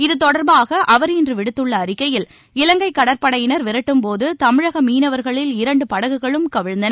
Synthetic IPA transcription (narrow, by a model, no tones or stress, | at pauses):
ɪðɯt̪ɔɽɐɾbaːɣɐʔɐʋɐɾɪndrɯʋɪɽɯt̪ːɯɭːɐːɾɪkːɐjɪl | ɪlɐŋɡɐɪkːɐɽɐɾpɐɽɐjɪnɐɾʋɪɾɐʈːɯmpoːðɯt̪ɐmɪɻɐɣɐmiːnɐʋɐɾɣɐɭɪlɪɾɐɳɖɯpɐɽɐɣɯɣɐɭɯmkɐʋɪɻnd̪ɐnɐ